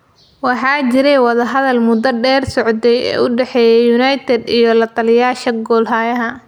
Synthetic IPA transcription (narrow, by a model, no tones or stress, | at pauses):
wɑħɑːt͡ʃɪɾɛwɑðɐɦɐðɐlmʊd̪ɐɖɛːrsɔʕd̪ɛjɛ̰ːʊɖɛħɛːjɛjːʊnɐjt̪ʰɛd̪ijɔlɐt̪ʰɐlɪjaːʃɐɡɔːlɦaːjɐɦɐ